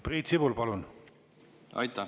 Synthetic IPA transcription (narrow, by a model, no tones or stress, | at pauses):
priːt̪sibulpɑlun | ɑ̰jt̪ːɑ